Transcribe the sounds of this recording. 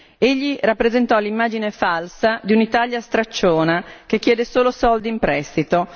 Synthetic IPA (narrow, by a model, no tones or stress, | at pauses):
eʎːirapːɾezent̪ɔlimːaːd͡ʒinefalsad̪iunit̪aʎjast̪ɾat͡ʃːoːnakekːjɛːd̪esoːlosɔld̪iimpɾɛst̪it̪o